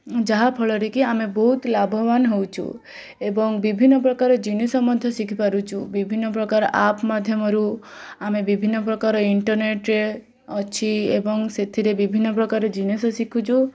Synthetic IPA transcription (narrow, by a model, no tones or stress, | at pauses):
d͡ʒaɦapʰɔɭɔɾikiamebɔɦut̪labʱɔbanɦewt͡ʃʰṵ | ebɔŋbibʱinːɔpɾɔkaɾɔd͡ʒinesɔmɔd̪ʱjɔsikʰipaɾut͡ʃʰubibʱinːɔpɾɔkaɾɔʔapmad̪ʱjɔmɔɾuamebibʱinːɔpɾɔkaɾɔiɳʈɔɾneʈɾe | ɔt͡ʃʰiebɔŋset̪ʰiɾebibʱinːɔpɾɔkaɾed͡ʒinesɔsikʰut͡ʃʰu